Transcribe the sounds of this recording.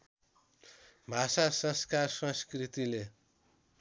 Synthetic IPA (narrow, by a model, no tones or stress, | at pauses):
bʱasasʌ̃skarsʌ̃nskrit̪ile